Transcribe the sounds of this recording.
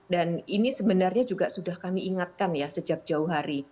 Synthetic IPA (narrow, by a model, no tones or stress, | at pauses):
daninisəbənarɲad͡ʒuɡasudahkamiʔiŋat̪̚kanjasəd͡ʒak̚d͡ʒauɦaɾi